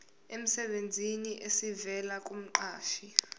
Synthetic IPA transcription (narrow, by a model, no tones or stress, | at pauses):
em̩sɛɓend͡zʱiniʔesivɛlak̬ʼum̩ǃaːʃi